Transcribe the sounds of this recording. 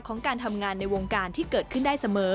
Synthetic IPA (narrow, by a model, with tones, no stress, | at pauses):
kʰɔː˩˦ŋkaː˧nt̪ʰa˧mŋaː˧nːa˧jwoː˧ŋkaː˧nt̪ʰiː˥˩kɤː˨˩t̪̚kʰɯ˥˩ndaː˥˩jsa˧mɤː˨˦